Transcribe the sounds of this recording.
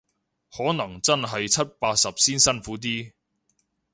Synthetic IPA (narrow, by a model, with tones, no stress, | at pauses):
hɔː˨˥nɐ˨˩ŋt͡sɐ˥nɦɐ˨jt͡sʰɐ˥t̚paː˧t̚sɐ˨p̚siː˥nsɐ˥nfuː˨˥t̪̬iː˥